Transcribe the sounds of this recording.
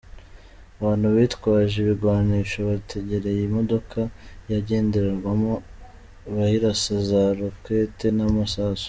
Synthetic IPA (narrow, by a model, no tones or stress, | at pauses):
aβaːnhuβitkwaːʒeβiɡwaːniːʃoβatʰe̞ɟe̞ɾe̞jimo̞do̞kʰajaɟe̞ːndeɾeɾɡwamo̞ | βahiɾasazaɾofke̞ːte̞namasaːso̥